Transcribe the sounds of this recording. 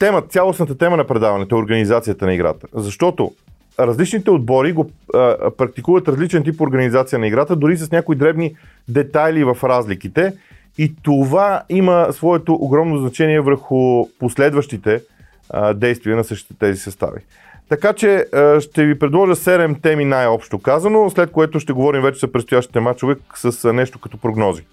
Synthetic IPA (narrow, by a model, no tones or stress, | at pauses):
t̪ɛmət̪sʲalˠosnət̪ət̪ɛmənɐpɾɛd̪avɐnɛt̪oɛoɾɡɐnizat̪sijət̪ənɐiɡɾa̰t̪ə̥zɐʃt̪ɔt̪o̰ | ɾɐzlit͡ʃnit̪ɛod̪̚bɔɾiɡopɾɐk̚t̪ikuvət̪ɾɐzlit͡ʃɛnt̪̬ipoɾɡənizat̪sijənɐiɡɾat̪əd̪ʊɾis̬əsnʲakoid̪ɾɛbni | d̪ɛt̪ajlivɐfɾazlik̟it̪ɛ | it̪ovaiməsvɔɛt̪oʔoɡɾɔmnoznɐt͡ʃɛniɛvəɾxʊposlɛd̪vəʃt̪it̪ɛ | d̪ɛjst̪viənɐsɤʃt̪i̥t̪ɛt̪ɛzisɐst̪a̰vḭ | t̪ɐkat͡ʃɛəʃt̪ɛvipɾɛd̪lˠɔʒəsɛɾɛmt̪ɛminajɔpʃt̪okazənoslɛt̪̚koɛt̪ʊʃt̪ɛɡovɔɾimvɛt͡ʃɛzɐpɾɛt̪st̪ʊjaʃt̪i̥t̪ɛmat͡ʃovɛksəsnɛʃt̪okɐt̪ɔpɾoɡnɔzi